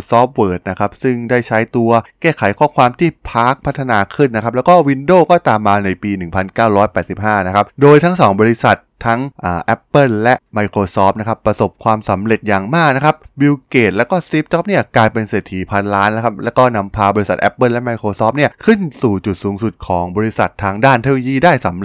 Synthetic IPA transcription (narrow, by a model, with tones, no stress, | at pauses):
sɔː˦˥p̚wɤː˨˩t̪̚na˦˥kʰa˦˥p̚sɯ˥˩ŋdaː˥˩jt͡ɕʰa˦˥jt̪u˧ɐkeː˥˩kʰa˩˦jkʰɔː˥˩kʰwaː˧mt̪ʰiː˥˩pʰaː˦˥k̚pʰa˦˥t̪ʰːa˧naː˧kʰɯ˥˩nːa˦˥kʰa˦˥plɛː˦˥wkɔː˥˩wi˧ndoː˥˩kɔː˥˩t̪aː˨˩mːaː˧na˧jpiː˧nɯ˨˩ŋpʰa˧nkaː˥˩wɾɔː˦˥jpɛː˨˩si˨˩p̚ɦhaː˥˩na˦˥kʰa˦˥p̚doː˧jt̪ʰa˦˥ŋsɔː˩˦ŋbɔː˧i˧˥sa˨˩t̪ʰːa˦˥ŋʔaː˨˩ʔɛ˦˥pːɤ˥˩llɛ˦˥ʔma˧jkʰɾoː˧sɔː˦˥p̚na˦˥kʰa˦˥pːɾa˧so˨˩p̚kʰwaː˧msa˩˦mɾe˨˩t̪̚jaː˨˩ŋmaː˥˩k̚na˦˥kʰa˦˥p̚bi˧wkeː˨˩t̪̚lɛː˦˥wkɔː˥˩siː˦˥p̚t͡ɕɔ˦˥p̚ni˥˩ɐklaː˧jpe˧nseː˨˩t̪ʰiː˨˩˦pʰa˧nlaː˦˥nːa˦˥kʰa˦˥p̚lɛː˦˥wkɔː˥˩na˦˧˥mpʰaː˧bɔː˧ɾi˦˥sa˨t̪̚ʔɛ˦˥pːɤ˥˩˨lɛ˦˥ma˧jkʰoː˧sɔː˦˥p̚ni˥˩ɐkʰɯ˥˩nsuː˨˩t͡ɕu˨˩t̪̚suː˩˦ŋsu˨˩t̪̚kʰɔː˩˦ŋbɔː˧ɾi˧˥sa̰˨˩t̪ʰːaː˧ŋdaː˥˩nt̪ʰe˦˥loː˧jiː˥˩daː˥˩jsa˩˦m˩